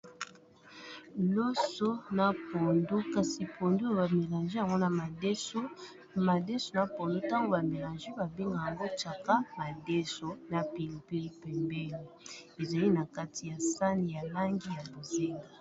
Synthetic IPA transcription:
lo˦so˦na˨po˨ndo˦ka˨si˨pʰo˨ndo˦˨ba˨me˨la˨ʒe˦ja˨ŋɡo˦na˨ma˨˦o˦ | ma˨de˦so˨na˨po˨ndo˦ta˦ŋɡo˦ba˨me˨la˨nʒe˦ba˨be˦ŋɡa˨ja˨ŋɡo˦t͡ʃa˨ka˦ma˨de˦so˨na˨pi˨li˨pi˦li˦pɛ˨mbɛ˦li˨e˨za˨li˦na˨ka˦ti˨ja˨sa˦ni˨ja˨la˦ŋɡi˦ja˨bo˨ze˦ŋɡa˨

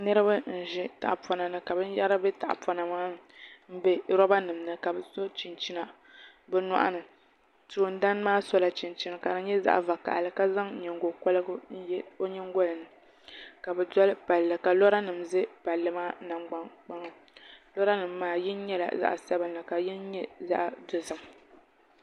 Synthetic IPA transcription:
nɨ˦ɾɨ˦ba˦n̩˨ʒɛ˦ta̰˨ʔpa˨na˨nɨ˦ka˨bɨ˦ja˦ɾa˦bɛ˦ta̰˨ʔpa˨na˨maː˦m̩˦bɛ˦ɾɔ˦ba˦nɨ˨m˨nɨ˦˨ka˨bɛ˨so˦t͡ʃi˨nt͡ʃi˦na˨ | bɛ˦na̰˦ʔa̰˦nɨ˨ | tu˨n˦da˦n˦maː˦sɔ˦la˨t͡ʃi˨nt͡ʃi˦na˨ka˨dɨ˦ɲɛ˦za̰˦ʔva˨ka̰˨ʔa̰˨lɨ˨ka˦za˦ŋ˨ɲɛ˨ŋɡo˨kɔ˦lɨ˦ɡo˦ɲɛ˦ŋ˦ɡɔ˦lɨ˨nɨ˨ | ka˨bɛ˨dɔ˦lɨ˦pa˨lːɨ˨ka˨lɔ˦ɾa˦nɨ˨mzɨ˦pa˨lːɨ˦maː˦na˨ŋ͡mɡ͡ba˨ŋk͡pa˦ŋa˨ | lɔ˦ɾa˦nɨ˨mː˦aː˦jɪ˦n˦ɲɛ˦la̰˨za̰˦ʔsa˦bɨ˨n˨la˨ka˨ji˦n˦ɲɛ˦za̰˦ʔdo˨zɨ˦m

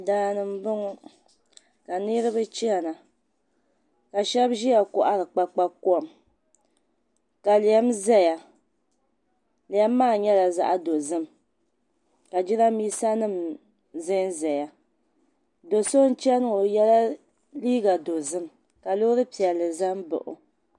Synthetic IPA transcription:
daː˦˨nɨ˦m˦bɨ˦ŋʊ˦ | ka˨nɨ˦ɾɨ˦bɨ˦t͡ʃi˦ɛ˨na˨ | ka˨ʃɛ˦bʒi˦ja˨kʊ˨ʔa˦ɾɨ˨k͡pa˦k͡pa˦ku˦ɔ˨m | ka˨li˨ɛ˦mzɛ˦ja˨ | li˨ɛ˦mː˦aː˦˨ɲɛ˦la˨za̰˦ʔa˦do˨zɨ˦m | ka˨d͡ʒi˦ɾa˦miː˦sa˦nɨ˦˨m | zɨ˦nzɛ˨ja˦ | do˨so˦n̩˦t͡ʃɛ˦nɨ˦ŋo˨jɛ˦la˦ | liː˦ɡa˨do˨zɨ˦m | ka˨lo˦ɾɨ˦pi˨ɛ˨lːɨ˨za˦mbɨ̰˨ʔʊ̰˨

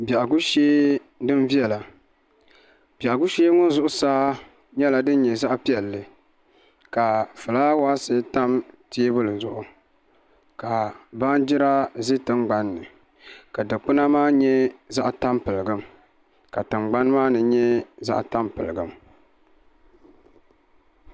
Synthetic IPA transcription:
ba˨ʔa˨ɡu˦ʃeː˦ | dɨ˦n˦vi˦ɛ˨la˨ | ba˨ʔa˨ɡʊ˦ʃeː˦ŋʊ˦n˦zʊ˦ʔʊ˦saː˦ | ɲɛ˦la˨dɨ˦n˦ɲɛ˨za˦ʔpi˦ɛ˨lːɨ˨ | ka˨fɨ˨laː˦waː˦sɨ˦ta˦mti˦bʊ˦lɨ˨zʊ˦ʔʊ˨ | ka˨ba˦nd͡ʒɪ˦ɾa˦zi˦tɨ˦mɡ͡ba˨˦nːɨ˨ | ka˨dɨ˨k͡pɨ˦na˦maː˦ɲɛ˦za˦ʔta˦mpɨ˨lɨ˨ɡɨ˦m | ka˨tɨ˨ŋ͡mɡ͡ba˦n˦maː˦nɨ˨ɲɛ˦za̰˦ʔta˦mpɨ˨lɨ˨ɡɨ˦m

